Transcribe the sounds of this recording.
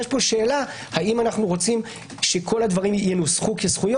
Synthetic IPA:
jɛʃpo̞ʃe̞ːla | haimanaχnuʁo̞t͡sim | ʃe̞kʰo̞lad̪vaʁimjenusχukesχujo

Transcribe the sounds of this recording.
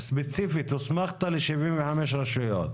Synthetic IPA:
sbet͡sifit̪usmaχt̪aleʃivimveħameʃ̬ɾaʃujo̰t̪

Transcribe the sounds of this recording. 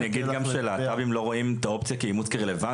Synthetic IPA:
naɡid̪ɡamʃʃeːlaːt̪abimlo̞ʁoimet̪ao̞pt͡sjakeimut͡skeʁeleva

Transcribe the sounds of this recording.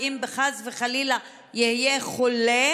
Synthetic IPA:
imbeχazveχalila | jihjeχole

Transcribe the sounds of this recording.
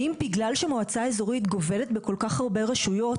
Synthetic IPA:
imbiɡlalʃemoat͡sae̞zo̞ʁit̪ɡo̞ve̞let̪beko̞lkaχhaʁbe̞ʁaʃujo̞t

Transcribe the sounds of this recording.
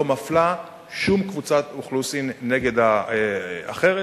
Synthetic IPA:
omafla | ʃumkvut͡sat̪uχlusimne̞ɡe̞d̪a | a̰χe̞ʁe

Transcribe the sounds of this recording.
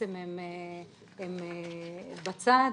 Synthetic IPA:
emem | em | bat͡sa

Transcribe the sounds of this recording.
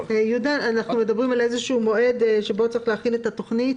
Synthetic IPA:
jud̪aanaχnume̞d̪abʁimalezeʃuːmo̞ʔe̞d̪ʃe̞bo̞t͡saʁiχleaχilet̪at̪o̞χnit

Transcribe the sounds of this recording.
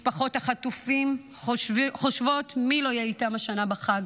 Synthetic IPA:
ʃpaχo̞taχatufim | χoʃvo̞tmilo̞jeitamaʃanabaχaɡ

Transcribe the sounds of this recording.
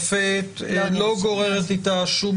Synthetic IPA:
fet̪loɡo̞ʁeʁet̪it̪aʃum

